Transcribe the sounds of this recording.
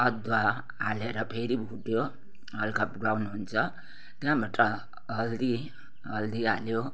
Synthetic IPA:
ʌd̪wa | aleɾʌpʰeɾibʱuʈjo | ɦʌlkʰʌpɡlawnuɦunt͡sʰʌ | t̪jãbaʈʌ | ɦʌld̪i | ɦʌld̪ialjo

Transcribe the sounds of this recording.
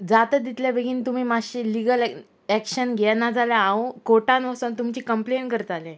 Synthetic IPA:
d͡zat̪əd̪it̪ljaʋeɡʱiːnt̪um̤iːmaɕiːliɡəl | ɛkɕənɡʱɛnad͡zalaãukoʈanʋəsoːnt̪umt͡ɕiːkəmplenkəɾt̪alɛ̃

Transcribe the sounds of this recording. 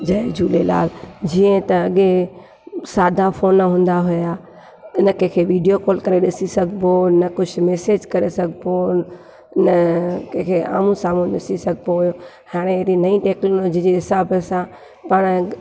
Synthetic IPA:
d͡ʑɐd͡ʑuːlela̰ːld͡ʑiːə̃t̪ɐɐɠe | saːd̪ʱafoːnɦũːn̆d̪aɦʊjaː | ɪnə̆kɛ̃ːkʰeːʋiːɖijokɔːlkɐɾeɗɪsisɐɡʱbonɐkʊd͡ʑʰʊmɛːseːd͡ʒkɐɾesɐɡʱbo | ɪnəkẽkʰea̰ːmũsaːmũɗɪsisɐɡʱpoɦʊjo | haːɽ̃eɾinɐĩʈeːknoloːd͡ʑid͡ʑeɦɪsaːbəsã | pɐɽ̃

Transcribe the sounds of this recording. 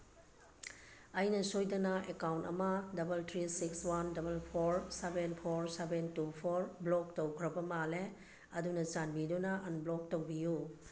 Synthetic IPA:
ɐjnɐsojdɐnɐekawntɐ̰mɐdɐbɐltʰɾisikswandɐbɐlpʰoɾsebenpʰoɾsebentupʰoɾblɔk̚towkʰɾɐbɐmale | ɐdunɐt͡ʃanbidunɐʔɐnblɔk̚towbiju

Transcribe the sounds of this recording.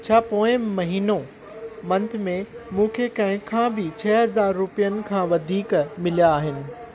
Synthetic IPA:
t͡ɕʰaːpoːɪ̃mɐɦiːnõ | mɐ̃nt̪ʰmẽmũːkʰekɐ̃ɦɪ̃kʰãːbɪt͡ɕʰɐːɦɐzaːɾːʊpijənɪ̆kʰãːʋɐd̪ʱiːkmɪljaːɦɪnɪ̆

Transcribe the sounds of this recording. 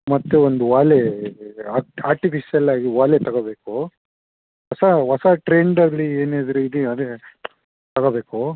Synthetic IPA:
mɐt̪ːeond̪uʋaːleaaːɾʈipiʃijɐlaːɡiʋaːlet̪ɐɡobeːku | ʋɐsɐʋɐsɐʈɾeːɳɖɐɡlieːneːd̪ɾeid̪iɐd̪e | t̪ɐɡobeːku

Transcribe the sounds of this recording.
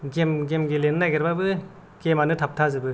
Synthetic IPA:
ɡemɡemɡelennajɡeɾbabɯ | ɡ̥emanɯtʰap̚tʰazɯbɯ

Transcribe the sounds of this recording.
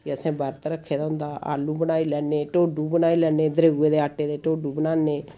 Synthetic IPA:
əsɛ̃ːbəɾt̪ɾəkʰːeːd̪aːɦʊ̃nd̪aːʔa̰ːluːbənaːiːlɛːneːʈoːɖuːbənaːiːlɛːneːd̪əɾeːɡueːd̪eːaːʈeːd̪eːʈoːɖuːbənaːneː

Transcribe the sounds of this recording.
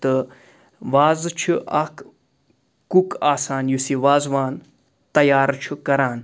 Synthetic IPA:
t̪ɨ | ʋaːzt͡ʃʰiʔɐk | kukaːsaːnjusiʋaːzʋaːn | t̪ɐjaːɾt͡ʃʰukɐɾaːn

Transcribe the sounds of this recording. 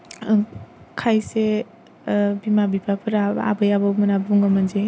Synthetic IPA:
kʰajse | bimabipʰapʰɯɾaa̰bəjabamɐnabuŋɡamand͡ʒe

